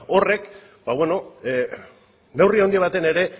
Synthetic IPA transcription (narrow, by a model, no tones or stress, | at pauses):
o̞re̞k | baβwe̞no̞ | ne̞wriond̪iβ̞at̪e̞ne̞ɾe̞